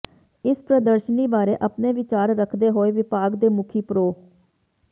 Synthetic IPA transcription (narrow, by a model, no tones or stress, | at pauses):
ɪspɾəd̪əɾʃəniːbaːɾeːʔəpneːʋɪt͡ʃaːɾːəkʰd̪eːɦoːeːʋɪpaːɡd̪eːmʊkʰiːpɾoː